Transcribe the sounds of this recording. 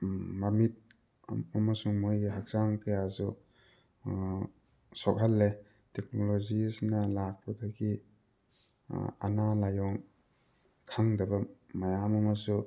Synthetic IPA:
mamit̚ | amɐsuŋmojɡɦak̚z̥aŋkajazu | sɔk̚ɦalːe | tek̚nolozisnɐlak̚pʰadaɡi | a̰nalajɔŋ | kʰaŋdɐbɐmajamɐmɐsu

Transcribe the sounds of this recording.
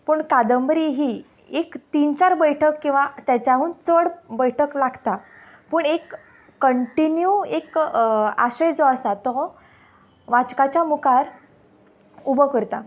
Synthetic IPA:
pəːɳkad̪əmbɾiɦiː | ekt̪int͡ɕaɾbəjʈʰəkːĩw̃ʋat̪jat͡ɕjaɦuːnt͡səɽbəjʈʰəklaɡʱt̪a | pəːɳekː | əɳʈinjuek | a̰ɕəjd͡zɔəsat̪ɔ | ʋat͡ɕkat͡ɕjamukaɾ | ubəkəɾt̪a

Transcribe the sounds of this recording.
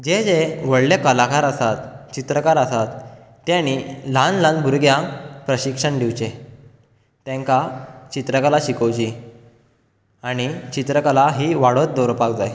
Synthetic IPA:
d͡ʑed͡zeʋəɽlekəlakaɾəsat̪t͡ɕit̪ɾəkaɾəsat̪ː | jañilãnlãnbʱuɾɡjapɾəɕikʂəɳɖiʋt͡ɕe | t̪ɛ̃ŋkat͡ɕit̪ɾəkalaɕikəwt͡ɕi | aɽ̃it͡ɕit̪ɾəkalaɦiːʋaɽət̪̚d̪ɔɾpak̚d͡zaj

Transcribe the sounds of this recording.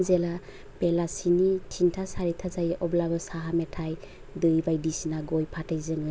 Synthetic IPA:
zela | pelasinitʰintʰasaɾitʰazajʔɔblabɯsaɦametʰaj | dɯjbajdisinaɡɔjpʰatʰɯjzɯŋɯ

